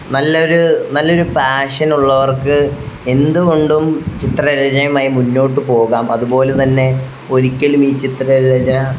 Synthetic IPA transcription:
nɐlːɐo̞ɾunɐlːo̞ɾupaːʂɐnuɭːɐʋɐrkɨe̞nd̪uɣo̞ɳɖumt͡ɕit̪rɐɾɐd͡ʑɐɐmaːjimunːo̞ːʈːɨpo̞ːɣaːmʔɐðubo̞ːlet̪ɐnːe̞ | o̞ɾikʲːɐlumiːt͡ɕit̪rɐɾd͡ʑɐ

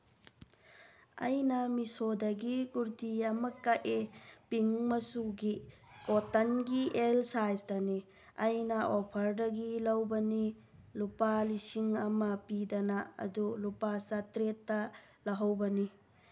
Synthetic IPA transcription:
ɐ̰jnɐmisodɐɡikuɾtiɐmɐkɐʔepiŋmɐsuɡi | kotɐnɡielsajsdɐni | ɐjnɐʔopʰɐɾdɐɡilɐwbɐni | lupalisiŋɐmɐpidɐnɐɐ̰dulupasɐtɾetːɐ | lɐɦɐwbɐni

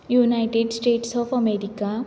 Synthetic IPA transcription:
junajʈeɖsʈeːʈsɔːpʰəmeɾika

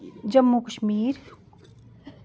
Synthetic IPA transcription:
d͡ʒəmːukəʃmiːɾ

